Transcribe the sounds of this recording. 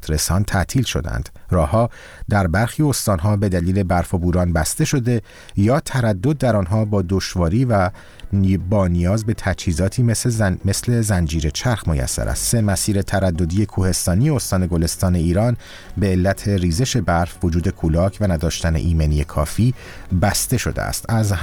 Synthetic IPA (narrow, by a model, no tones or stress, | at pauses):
t̪ɾe̞sɒːnt̪ʰæʔt̪ʰiːlʃo̞̰d̪æ̰nd̪̥rɒːhɒː | d̪̥æɾbæɾxiːo̞st̪ɒːnɦɒːbe̞d̪æliːle̞bæɾfobuːɾɒːnbæst̪e̞ʃo̞d̪e̞ | jɒːt̪ʰæɾæd̪ːo̞d̪̚ːæɾɒnɦɒːbɒːd̪oʃvɒːɾiːvæ | bɒːnijɒːzbe̞t̪ʰæt͡ʃhiːzɒːt̪ʰiːmeseme̞sle̞zænd͡ʒiːɾe̞t͡ʃʰæɾxmojæ̰sːæ̰ɾæ̰st̪se̞mæsiːɾe̞t̪ʰæɾæd̪ːo̞d̪iːje̞kʰuːhe̞st̪ɒːnije̞ost̪ɒːne̞ɡole̞st̪ɒːne̞iːɾɒːn | be̞ːlːæt̪ʰe̞riːze̞ʃe̞bæɾfvo̞d͡ʒuːd̪e̞kʰulɒːcʰvænæd̪ɒːʃt̪æne̞̰ʔiːmenie̞kʰɒ̰ːfiː | bæst̪e̞ʃo̞̰d̪ḛæ̰st̪æz